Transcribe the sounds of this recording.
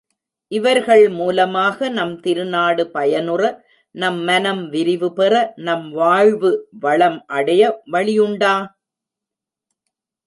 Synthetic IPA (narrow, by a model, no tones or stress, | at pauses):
ʔɪʋɐɾɣɐɭmuːlɐmaːɣɐnɐmt̪ɪɾɯnaːɽɯpɐjɐnɯrɐ | nɐmːɐnɐmʋɪɾɪʋɯpɛrɐnɐmʋaːɻʋɯʋɐɭɐmʔɐɽɐjɐʋɐɭɪjʊɳɖaː